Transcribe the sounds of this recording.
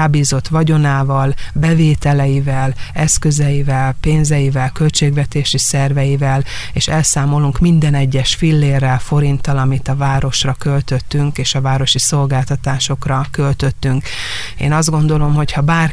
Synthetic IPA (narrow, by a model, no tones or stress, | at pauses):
aːbiːzo̞t̪ʋɒɟo̞naːvɒlbɛveːt̪ɛlɛjivɛlɛskø̞zɛjivɛlpeːnzɛjivɛlkø̞lt͡ʃeːɡʋɛt̪eːʃisɛrvɛjivɛl | ḛːʃɛlsaːmo̞luŋkmind̪ɛnɛɟːɛʃfilːeːrːɛlfo̞ɾint̪ɒlɒmit̪ɒvaːɾo̞ʃrɒkølt̪ø̞t̪ːyŋkeːʃɒvaːɾo̞ʃiso̞lɡaːlt̪ɒt̪aːʃo̞krɒkø̞lt̪ø̞t̪ːyŋk | ḛːnɒzd̪ɡo̞nd̪o̞lo̞mɦo̞chɒbaːr